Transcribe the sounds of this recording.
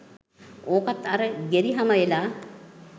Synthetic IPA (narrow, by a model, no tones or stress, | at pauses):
oːkat̪ːaɾəɡeɾiɦaməelaː